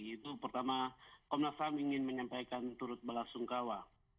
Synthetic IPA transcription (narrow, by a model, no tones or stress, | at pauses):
it̪upərt̪amakɔmlasamiŋɪnməɲampajkant̪uɾʊt̪̚bəlasuŋkawa